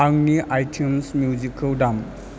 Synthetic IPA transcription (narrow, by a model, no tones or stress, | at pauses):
aŋniʔajtʰumsmjuzikʰəldam